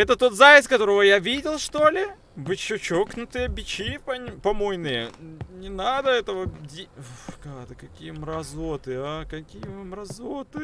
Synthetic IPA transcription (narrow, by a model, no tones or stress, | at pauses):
ɛt̪ət̪ːo̞t̪zajʲɪt̪skɐt̪o̞ɾəvəjavʲidʲɪlˠʂt̪olʲɪ | vɨt͡ɕːʊt͡ɕoknʊt̪ɨjəbʲɪt͡ɕipɐpɐmojnɨjənʲɪnad̪əɛt̪əvədʲikad̪əkɐkʲijəmɾɐzot̪ɨakɐkʲijəɨmɾɐzot̪ɨ